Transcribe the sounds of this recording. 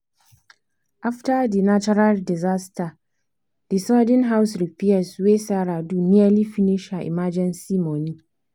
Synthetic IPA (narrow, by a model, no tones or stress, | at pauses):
ʔaftadinat͡ʃɔɾaldɪzasta | d̥isadɪnɦawsɾipiɛsweːsaːɾaːduːnɪaliɸinɪʃaʔɪ̰maːd͡ʒɛnsimoni